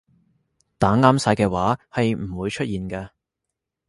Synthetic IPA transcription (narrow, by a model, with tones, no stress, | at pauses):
t̪aː˨˥ŋaː˧˥msaː˧jkɛː˧waː˨˥hɐ˨jm̩˨˩wuː˨˧jt͡ʃʰɵ˥t̚jiː˨nkɐː˧